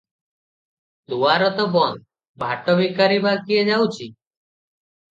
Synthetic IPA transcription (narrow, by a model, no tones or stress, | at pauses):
d̪ʱuʋaɾɔt̪ɔbɔnd̪ | bʱaʈɔbikaɾibakied͡ʒawt͡ʃʰi